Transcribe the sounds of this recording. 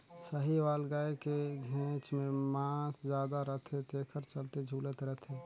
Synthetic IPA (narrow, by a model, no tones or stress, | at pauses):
səɦiʋaːlɡaːekeɡʱẽt͡ʃmẽmãːsd͡ʒjaːd̪aɾəɦt̪ʰɦẽt̪eːkʰəɾt͡ʃəlt̪ed͡ʒʱuːlət̪ɾət̪ʰɦe